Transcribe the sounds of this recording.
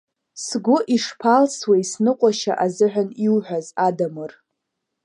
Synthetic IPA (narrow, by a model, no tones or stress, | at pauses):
sɡʷʊʔiʂpʰalswejsnɨqʷʼaʃa̰ʔazɨħᶣʷaniwħʷᶣazadamɨr